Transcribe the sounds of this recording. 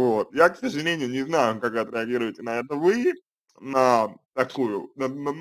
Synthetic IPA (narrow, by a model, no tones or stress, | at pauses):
vot̪̚jaksəʐɨlʲenʲɪjʊnʲɪznajʊkakɨɐt̪ɾʲɪɐɡʲiɾʊvɪtʲɪnɐɛt̪əvɨ | nət̪ɐkujʊnənə